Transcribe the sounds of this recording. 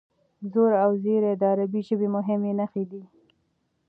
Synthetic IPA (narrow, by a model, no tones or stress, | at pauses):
zoɾawzeɾed̪əaɾabiʒəbemʊɦɪmenaxed̪i